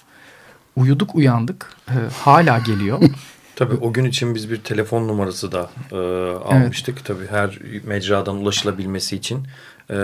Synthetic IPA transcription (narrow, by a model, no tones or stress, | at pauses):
ujud̪ukujand̪ɯkːhaːlʲaːɟe̞lʲijo | t̪ʰabiːʔo̞ɟynit͡ʃʰinbizbiɾt̪ʰe̞lʲe̞fo̞nːumaɾasɯd̪aɯːa̰lˠmɯʃt̪ʰɯkt̪ʰabiːɦæɾmɛd͡ʒɾaːd̪anulˠaʃɯlˠabilʲme̞siːt͡ʃʰin